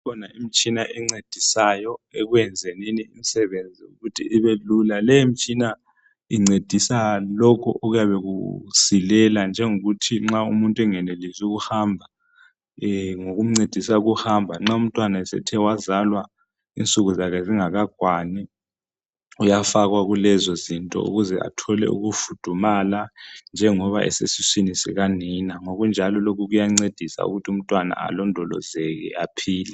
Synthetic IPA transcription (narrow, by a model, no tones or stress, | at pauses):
kʰɔnaimit͡ʃʼinaʔiŋ͡ǀed̥ʱisajɔeɣwjɛnd͡zʱeniniimisɛβend͡zʱiṵɣutʰḭʔːβelulalɛjimit͡ʃʼina | iŋ͡ǀed̥ʱisalɔkʰɔʔoɣujaβɛkṵsilɛland͡ʒʱɛŋoɣutʰiŋ͡ǁaṵmuntʼuɛŋɛnelizuɣ̬uhambʱa | ŋoɣum̩ŋ͡ǀed̥ʱisauɣuhambʱaŋ͡ǁaum̩tʼwanaɛsɛ̰tʰɛwazalwa | ḭnt͡sʼuɣuzakɛziŋaɣaɡ̥ʱwani | ujafaɣwaɣulɛzɔzintʼɔ̰ṵɣuzɛa̰tʰɔlɛ̰ṵɣufud̥ʱumaland͡ʒʱɛŋɔβa̰ʔɛ̰sḛsisinisɛ̰ɣaninaŋoɣund͡ʒʱalɔlok̬ʰuɣujaŋ͡ǀed̥ʱisa̰ṵɣutʰium̩tʼwana̰a̰lɔndʱɔlɔ̰zɛk̬ɛ̰apʰiːlɛ